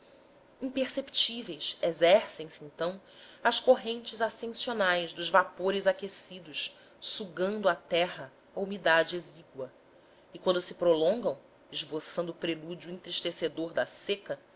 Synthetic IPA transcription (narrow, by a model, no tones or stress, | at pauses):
ĩpeɾsepi̥t͡ʃivejsezɛɾsẽsɪẽnt̪ɐ̃w̃ | ɐʃkoɦẽnt͡ʃɪzasẽsionajʃd̪ʊʒvapoɾɪzakesid̪ʊʃ | suɡɐ̃nd̪ʊat̪ɛɦɐ | aumid̪ad͡ʒɪeziɡwɐ | ɪkwɐ̃nd̪ʊsɪpɾolõŋɡɐ̃w̃ | ɪʒbosɐ̃nd̪ʊːpɾelud͡ʒuĩnt̪ɾiʃt̪esed̪oɾd̪ɐsekɐ